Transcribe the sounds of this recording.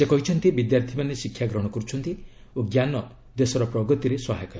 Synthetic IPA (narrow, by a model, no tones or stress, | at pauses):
sekɔɦit͡ʃʰɔnt̪ibid̪jaɾt̪ʰimanesikʰjaɡɾɔɽ̃ɔkɔɾut͡ʃʰɔnt̪i | oɡjanɔ | d̪esɔɾɔpɾɔɡɔt̪iɾeswɔɦajkɔɾ